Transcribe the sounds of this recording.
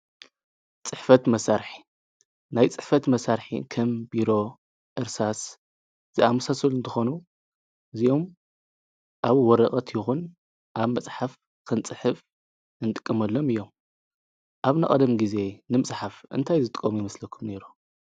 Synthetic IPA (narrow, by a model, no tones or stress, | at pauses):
t͡sʼɨħfɐt̪mɐsaɾħi̥ | najt͡sʼɨħfɐt̪mɐsaɾħḭkʰɐmbiɾo̞ | ʔɨɾsas | z̥ɨamɐsasolɨnt̪ʰɨxonu | ɨziʔo̞m | ʔaβwɔɾɐχʼɐt̪jɪxun | ʔaβmɐt͡sʼħaf | kʰɨnt͡sʼɨħɨf | ɨnt̪ʼɨ̥kʼːɨmɐlːo̞mɨjːo̞m | ʔaβnɐ̰χʼɐd̪ɐmɡize̞nɨmɨsʼħafʔɨ̰nt̪ʰajzɨt̪ʼkʼːomujɛmɐslɐkʰːumne̞ɾu